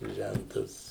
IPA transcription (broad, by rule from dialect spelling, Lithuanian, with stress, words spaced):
ˈʒʲæntɐs